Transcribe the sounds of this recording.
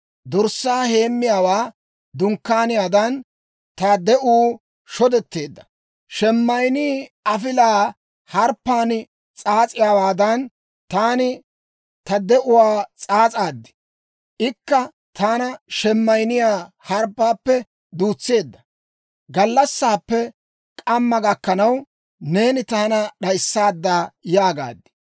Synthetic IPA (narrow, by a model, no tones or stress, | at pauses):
d̪ɔɾsːaːhe̞ːmːɪjaːwaː | d̪ʊŋkːaːnɪjaːd̪ɐn | t̪ɐd̪ɛʔuː | ʃɔd̪ɛt̪ːe̞ːd̪ːɐ | ʃɛmːɐjniːʔɐfɪlaː | hɐɾpːaːnɪ | t͡sʼaːt͡sʼɪjaːwaːd̪ɐn | t̪aːnɪ | t̪ɐd̪ɛʔʊwaːt͡sʼaːt͡sʼaːd̪ːɪ̥ | ʔɪkːɐ | t̪aːnɐʃɛmːɐjnɪjaː | hɐɾpːaːpːɛ | d̪uːt͡sːe̞ːd̪ːɐ | ɡɐlːɐsːaːpːɛ | kʼɐmːɐɡɐkːɐnɐw | ne̞ːnɪt̪ɐaːnɐɗɐjsːaːd̪ːaːjaːɡa̰ːd̪ːɪ̥